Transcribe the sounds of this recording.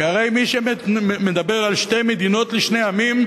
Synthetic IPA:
aʁe̞jmiʃemed̪abe̞ʁalʃtejmed̪ino̞t̪liʃne̞jamim

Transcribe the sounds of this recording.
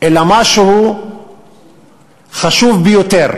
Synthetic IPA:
elamaʃuhu | χaʃuvbijot̪eʁ

